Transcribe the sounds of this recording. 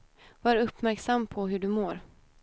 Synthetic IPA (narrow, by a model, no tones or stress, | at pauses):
vɑːɾɵpːmæɾksamːpʰɔɦɵɖɵmoːɾ